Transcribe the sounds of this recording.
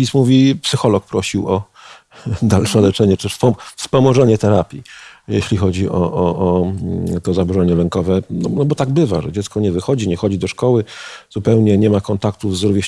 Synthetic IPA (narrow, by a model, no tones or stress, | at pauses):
ismuvʲipsɘxɔlɔk̚pɾɔɕiwɔ | d̪alʂɛlɛt͡ʂɛɲɛt͡ʂɔfspɔmɔʐɛɲɛt̪ɛɾapʲjijeɕlʲixɔd͡ʑiʔɔʔɔʔː | t̪ɔzabuʐɛɲɛlɛŋkɔvɛnɔnɔbɔt̪aɡbɘva̰ʐɛd͡ʑɛt̪skɔɲɛvɘxɔd͡ʑiɲɛxɔd͡ʑid̪ɔʂkɔwɘzupɛwɲɛɲɛmakɔnt̪ak̚t̪uvzɾuvʲjeɕ